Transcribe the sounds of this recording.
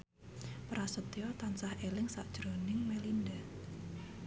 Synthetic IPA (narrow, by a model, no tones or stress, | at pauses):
pɾʔasət̪iɔt̪ansahelɪŋsa̰ʔd̥ʒ̥ɾonɪŋmelind̪a